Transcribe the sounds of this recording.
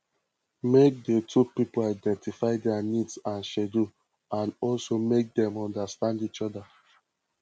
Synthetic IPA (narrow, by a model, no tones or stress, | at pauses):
mek̚detʰupipolaɪdɛ̃ntifaɪdɛanidsãnʃɛdu | ãnɔlsomek̚dɛ̃mɔ̃ndastãndit͡ʃɔda